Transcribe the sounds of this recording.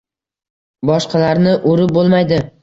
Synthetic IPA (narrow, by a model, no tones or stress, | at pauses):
bɒʃqʰɑlaɾnɪʔoɾɪbolˠmajd̪ɪ